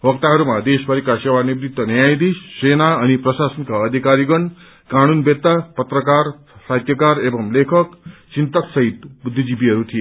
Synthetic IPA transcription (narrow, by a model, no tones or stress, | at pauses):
ʋʌk̚t̪aɦʌɾumad̪esbaɾikasewanibɾit̪ːʌnjajd̪isːenaʌnipɾʌsasʌnkaʌd̪ʱikaɾiɡʌɳ | kanunbet̪ːapʌt̪ɾəkaɾ | sat̪jʌkaɾebʌmlekʰʌkt͡ʃint̪ʌksʌɦit̪bud̪ʱːid͡ʒibiɦʌɾut̪ʰije